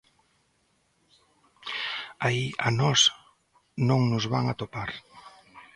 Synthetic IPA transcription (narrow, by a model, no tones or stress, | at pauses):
aiʔanɔs | nõŋnʊzβaŋat̪opaɾ